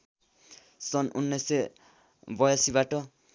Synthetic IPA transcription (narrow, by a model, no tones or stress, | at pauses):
sʌnṵnːʌse | bʌjasibaʈʌ